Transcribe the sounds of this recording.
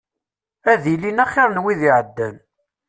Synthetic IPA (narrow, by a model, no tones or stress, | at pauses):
æðilinæχiɾnwiðiʕəd̪ːæn